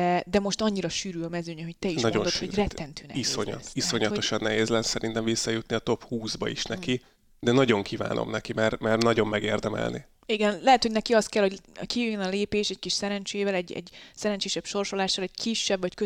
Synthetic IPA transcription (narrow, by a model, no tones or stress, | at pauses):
ɛd̪ɛmo̞ʃt̪ɒɲːiɾɒʃyːɾyːɒmɛzøːɲɛɦo̞ct̪ɛiʃnɒond̪ot̪horɛt̪ːɛnt̪yːnɛisoɲɒ̰t̪isoɲɒt̪oʃɒnːɛɦeːzlɛnsɛɾint̪ɛɱvisːɒjut̪niɒt̪o̞phuːzbɒ̰iʃnɛki | d̪ɛnɒɟo̞ŋkʰiːva̰ːno̰mnɛkimɛrmɛrnɒɟo̞mːɛɡeːrd̪ɛmɛ̰lnḭ | iɡɛnlɛɦɛt̪ho̞ɟnɛkiɒst̪̚kɛlho̞ɟkijøjønɒleːpeːʃɛc̚kiʃsɛɾɛnt͡ʃeːvɛlɛɟɛ̰ɟsɛɾɛɲt͡ʃeːʃɛbʃo̞rʃo̞laːʃːɒlɛɟ̥kʰiʃːɛbvɒckø